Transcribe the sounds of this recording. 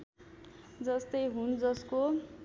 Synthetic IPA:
d͡zʌst̪ʌjɦund͡zʌsko

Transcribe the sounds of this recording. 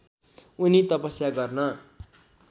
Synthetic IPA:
unit̪ʌpʌsjaɡʌrnʌ

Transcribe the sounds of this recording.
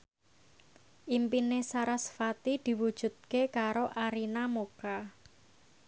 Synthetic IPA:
ʔimpinesaɾasfat̪id̪̥i̤wud̥ʒ̥ṳd̪̚kekaɾoʔaɾinamoka

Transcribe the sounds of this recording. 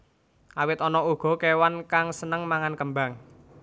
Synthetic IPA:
ʔawɪt̪ɔnɔuɡ̥ɔ̤kewankaŋsənəŋmaŋankəmba̤ŋ

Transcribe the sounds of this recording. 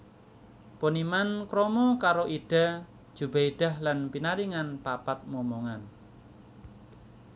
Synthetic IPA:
ponimankɾɔmɔkaɾoʔiɖ̥a̤̥ | d͡ʒ̥ubaiɖ̥a̤hlanpinaɾiŋanpapat̪̚mɔmoŋan

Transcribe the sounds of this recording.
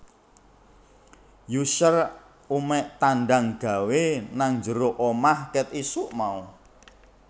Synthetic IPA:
juʃər | umɛʔt̪anɖaŋɡ̥a̤wenaŋɲd͡ʒəɾoʔomahkɛt̪isuʔmau

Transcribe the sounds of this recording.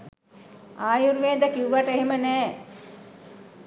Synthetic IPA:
aːjuɾʋeːd̪əkiuʋaʈəeɦemənɛː

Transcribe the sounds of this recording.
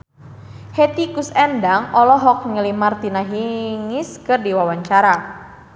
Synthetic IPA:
het̪ikusɛndaŋɔlɔɦɔk̚ŋəlimart̪inaɦiŋɪskɨrdiwawaɲt͡ʃaɾa

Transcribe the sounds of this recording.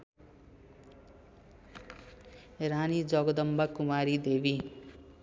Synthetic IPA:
ɾanid͡zʌɡʌd̪ʌmbakumaɾid̪ebi

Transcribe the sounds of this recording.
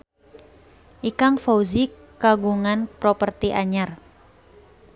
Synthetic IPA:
ʔikaŋfouzi | kaɡuŋanpɾɔpərt̪iʔaɲar

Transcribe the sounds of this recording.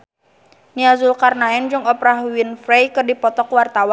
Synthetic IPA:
niazulkarnaɛnd͡ʒɨŋɔpɾaɦwinfɾejkɨrdipɔt̪ɔkwart̪awan

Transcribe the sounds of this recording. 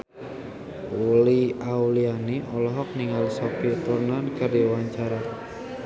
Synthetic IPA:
uliawulianeʔɔlɔɦɔk̚niŋalsɔpit̪urnankərdiwaɲt͡ʃaɾa

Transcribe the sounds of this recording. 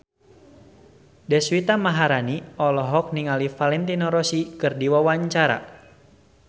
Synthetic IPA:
dɛswit̪amaɦaɾaniɔlɔɦɔk̚niŋalifalɛnt̪inɔɾɔsikɨrdiwawaɲt͡ʃaɾa̰

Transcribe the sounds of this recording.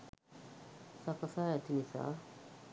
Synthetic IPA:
sakasajat̪ʰinisa̰

